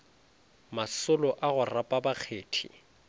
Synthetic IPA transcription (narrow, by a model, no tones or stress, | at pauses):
masʊlɔʔaɣʊrapʼabak͡xʰeːtʰḭ